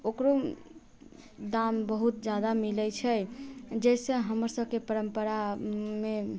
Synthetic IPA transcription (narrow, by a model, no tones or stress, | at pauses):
okɾo | d̪ambəɦut̪̚d͡ʒad̪amilɛt͡ʃʰɛd͡ʒɛsə̃ɦəməɾsəb̚kepəɾəmpəɾame